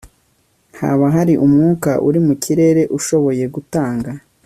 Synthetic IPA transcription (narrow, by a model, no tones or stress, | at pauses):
ha̰βaɦaɾiʔumŋuːka̰ʔuɾimucʰiɾe̞ːɾe̞ʔuʃo̞βo̞je̞ɡutaːŋɡa